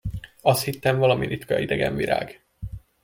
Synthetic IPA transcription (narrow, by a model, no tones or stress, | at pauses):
ɒshit̪ːɛɱvɒlɒmiɾit̪kɒid̪ɛɡɛ̰ɱviɾa̰ːɡ